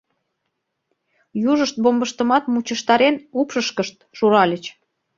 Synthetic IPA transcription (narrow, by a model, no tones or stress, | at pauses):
juʒəʃt̪̚bombəʃt̪əmɑt̪mut͡ɕəʃt̪ɑɾenupʃəʃkəʃt̪̚ʃuɾɑlʲət͡ɕ